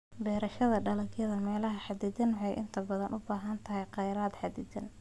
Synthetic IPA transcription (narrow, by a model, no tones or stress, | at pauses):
bɛːɾɐʃɐðɐɖɐlɐɡjɐðɐmɛːlɐɦɐħɑd̪ɪt͡ʃɐnwħɑjʔɪ̰nt̪ʰɐbɐðɐnʔʊbaːɦɐnt̪ʰɐɦɛjqɑjɾaːd̪ħɑd̪ɪt͡ʃɐn